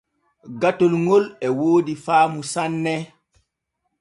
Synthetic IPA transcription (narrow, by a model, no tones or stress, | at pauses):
ɡatolŋolɛwoːdifaːmusanːɛ